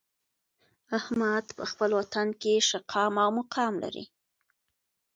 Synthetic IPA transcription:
ahmad̪pəxpəlwat̪ankeʃaqʰɑmawmʊqɑmla̰ɾḭ

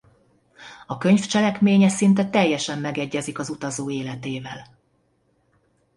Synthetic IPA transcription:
ɒkø̞ɲft͡ʃɛlɛkmeːɲɛsint̪ɛt̪ɛjːɛʃɛmːɛɡɛɟːɛzikɒzut̪ɒzoːeːlɛt̪eːvɛl

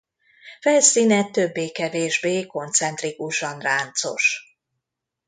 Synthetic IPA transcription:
fɛlsiːnɛt̪ːøbːeːkɛveːʒbeːko̞nt̪sɛnt̪rikuʃɒnraːnt̪so̞̰ʃ

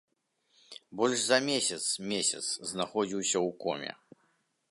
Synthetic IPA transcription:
bɔlʲʂzɐmʲesʲɐt̪smʲesʲɐ̰t̪sznaxɔd͡zʲiwsʲɐwkɔ̰mʲɛ̰

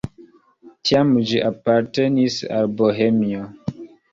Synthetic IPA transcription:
tiamd͡ʒiʔapaɾtenisa̰lboɦemio

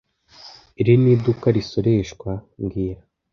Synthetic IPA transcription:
iɾiniːdukaɾiso̞ɾe̞ːʃkwaŋɡiːɾa

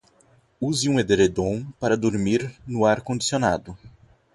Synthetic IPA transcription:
uziũed̪eɾed̪õpaɾɐd̪oɾmiɾnʊaɾkõd͡ʒisiona̰d̪ʊ

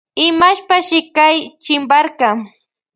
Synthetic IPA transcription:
ɪmaʃpaʃɪkajt͡ʃɪmbaɾka

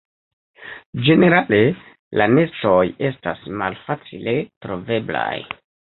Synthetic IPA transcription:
d͡ʒe̞ne̞ɾale̞ | lane̞stoje̞stasmalfat͡sile̞tɾo̞ve̞bla̰j

